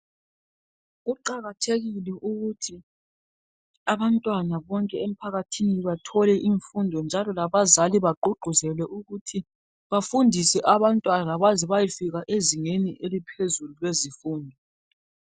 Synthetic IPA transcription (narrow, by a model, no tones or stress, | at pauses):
ɣuǃaɣatʰeɣilɛʔuɣutʰi | aβantʼwanaβɔŋkʼɛem̩pʰaɣatʰiniβatʰɔlɛʔiɱfundʱɔnd͡ʒʱalɔlaβazaliβaǃuɡ͡ǃʱuzɛlwɛʔuɣutʰi | βafundʱisɛʔaβantʼwanalaβazɛβajifiɣaʔeziŋeniʔelipʰezululwezifuːndʱɔ